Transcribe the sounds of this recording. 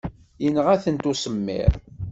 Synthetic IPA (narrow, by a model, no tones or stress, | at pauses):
jənəʁæθənt̪usəmːɪ̰ɾ